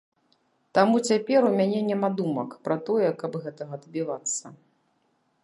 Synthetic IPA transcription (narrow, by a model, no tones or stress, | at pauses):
t̪amut͡sʲapʲɛɾumʲanʲɛnʲɛmad̪umɐkpɾɐt̪ɔjɛkɐbɣɛt̪ɐɣɐːd̪bʲivat̪sːɐ